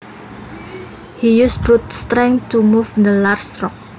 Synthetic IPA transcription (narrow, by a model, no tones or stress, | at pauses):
hijusb̥ɾut̪̚st̪ɾɛ̃ŋt̪umufnd̪əlarst̪ɾɔk̚